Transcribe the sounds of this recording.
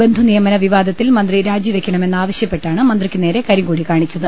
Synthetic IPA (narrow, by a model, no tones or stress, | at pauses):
be̞nd̪ʱunijɐmɐnɐʋiʋaːd̪ɐt̪ːilmɐnd̪riɾaːd͡ʑiʋe̞kʲːɐɳɐme̞nːaːʋɐɕjɐpːe̞ʈːaːɳɨmɐnd̪rikʲːɨneːɾe̞kɐɾiŋɡuːɽikaːɳit͡ɕːɐðɨ